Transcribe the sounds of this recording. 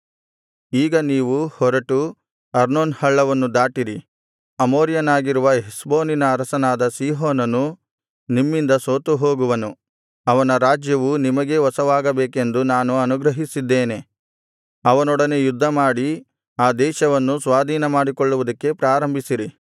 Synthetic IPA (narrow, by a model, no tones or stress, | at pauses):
iːɡɐniːʋuhɔɾɐʈu | ɐɾnoːnhɐɭːɐʋɐnːud̪aːʈiɾi | ɐmoːɾjɐnaːɡiɾuʋɐɦisbo̞ːninɐːɾɐsɐnaːd̪ɐsiːɦoːnɐnu | nimːind̪ɐsoːt̪uɦo̞ːɡuʋɐnu | ɐʋɐnɐɾaːd͡ʒjɐʋunimɐɡe̞ɦɔsɐʋaːɡɐbeːke̞nd̪unaːnuɐnuɡɾɐɦisid̪ːeːne̞ | ɐʋɐnɔɽɐne̞jud̪ʱːɐmaːɽi | aːd̪ɛːʃɐʋɐnːusʋaːd̪ʱiːnɐmaːɽikoɭːuʋud̪ɐkːe̞pɾaːɾɐmbʱisiɾi